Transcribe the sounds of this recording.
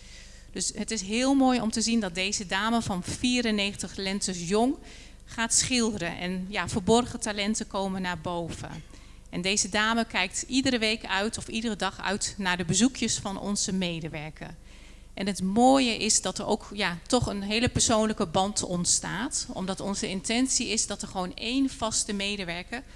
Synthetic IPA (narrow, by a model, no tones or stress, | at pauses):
d̥ɵsɦətɪsɦɪːlˠmoːjɔmtəzindɑt̚dejzədaːməvɑnfiːɾənejχəntəχlɛntəsjɔŋ | χaːtsχɪlˠdəɾənʔɛ̰njaːvəɹbɔrχətalɛntəkowmənːaːɹbowv̥ə̰ | ʔɛndejzədaːməkɛjk̚tidərəʋejkœɥtʰɔfidərədɑχœ̰ɥtnaːɹdəbəzukʰjəsfɑnɔ̰nzəmejdəʋɛɹkə̰r | ʔɛnɦətmoːjəʔɪsdɑtəɹo̰wkjaːtɔχənɦejləpəɹsownləkəbɑntɔntsta̰ːtɔ̰mdɑtɔnzəɪntɛnsiɪzdɑtəɹχəʋownejnv̥ɑstəmejdəʋɛɹkəɹ